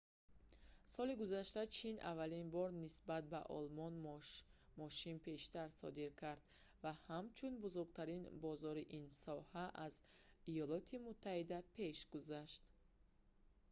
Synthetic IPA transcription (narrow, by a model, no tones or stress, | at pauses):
sɔliɡuzaʃt̪at͡ʃʰinʔa̰valinbɔɾnisbat̪̚ba̰ʔɔ̰lmɔn | mɔʃinpʰe̞ʃt̪aɾsɔ̰d̪iɾkʰaɾd̪ | vahamt͡ʃʰunbuzuɾɡ̚t̪ʰaɾinbɔzɔɾiʔinsɔhaʔaz | ijɔlɔt̪ʰimut̪ʰːahid̪apʰe̞ʃɡuzaʃt̪